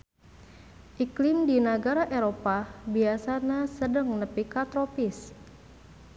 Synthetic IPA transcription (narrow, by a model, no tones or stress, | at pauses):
ʔiklɪmdinaɡaɾaʔeɾopabiasanasədəŋnəpikat̪ɾopis